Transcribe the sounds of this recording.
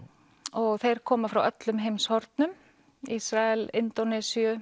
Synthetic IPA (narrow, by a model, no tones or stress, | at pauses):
ɔɣθejɾ̥kʰɔːmafɾawœt̪lʏmɦejmshɔɾt̪nʏm | isɾaɛlɪnt̪ɔnɛsiʏ